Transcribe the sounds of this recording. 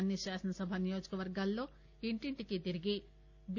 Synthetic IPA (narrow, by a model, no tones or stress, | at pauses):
nːiʃaːsɐnɐsɐbʱanijo̞ːd͡ʒɐkɐʋɐɾɡaːlːo̞ː | iɳʈiɳʈikit̪iɾiɡi | b